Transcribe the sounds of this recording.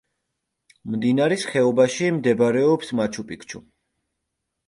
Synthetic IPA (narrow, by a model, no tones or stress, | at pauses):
md̪inaɾɛsχɛɔbaʃimd̪ɛbɾɛɔpsmat͡ʃʰupʼikt͡ʃʰṵ